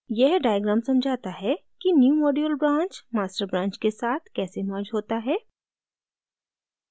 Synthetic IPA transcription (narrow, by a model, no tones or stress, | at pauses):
jɛɦɖaːɪjəɡɾãːmsɐ̃md͡ʒʱaːt̪aɦɛkinjuːmɔːɖiəlbɾãːnt͡ʃmaːsʈəɾbɾãːɲt͡ʃkesaːt̪ʰkɛːsemaːd͡ʒɦoːt̪aɦɛː